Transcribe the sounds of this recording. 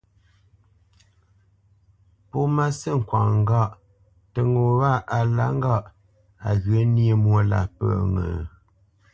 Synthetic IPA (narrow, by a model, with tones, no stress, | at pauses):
po˦ma˦sə˦˨ŋ̩˨kwa˨ŋ˨˦ɡa˦˨ʔ | tə˨ŋo˨wa˦˨ʔa˨la̰˦ŋ˦ɡa˦˨ʔ | a˨ɣɥe˨˦n˦e˦mwo˦la̰˨pə̰˦˨ŋə̰˨